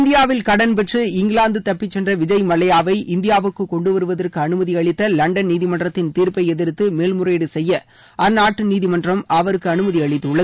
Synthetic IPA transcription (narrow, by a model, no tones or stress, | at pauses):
nd̪ɪjaːʋɪlkɐɽɐnp̬ɛʈrɯɪŋɡɪɭaːnd̪ɯt̪ɐpːɪt͡ʃːɛndrɐʋɪd͡ʒɐɪmɐlɐjaːʋɐɪʔɪnd̪ɪjaːʋɯkːɯkːɔɳɖɯʋɐɾɯʋɐðɐrkɯɐnɯmɐðiɐɭɪt̪ːɐlɐɳɖɐnniːðɪmɐnɖrɐt̪ːɪnt̪iːɾpɐɪɛðɪɾɯt̪ːɯmeːlmɯreːɽɯsɛjːɐ | ʔɐnːaːʈːɯniːðɪmɐndrɐmɐʋɐɾɯkːɯɐnɯmɐðiɐɭɪt̪ːɯɯɭːɐ